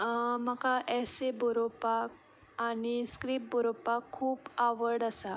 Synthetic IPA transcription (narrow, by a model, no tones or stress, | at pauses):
məkaʔɛseboɾopak̚ | añiskɾiːp̚boɾopakʰːuːpaʋəɾɽəsa